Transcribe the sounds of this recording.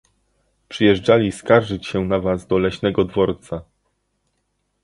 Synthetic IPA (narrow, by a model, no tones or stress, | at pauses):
pʂɘjɛʐd͡ʐalʲiskaɾʐɘt͡ɕɕɛnavazd̪ɔlɛɕnɛɡɔd̪vɔɾt̪sa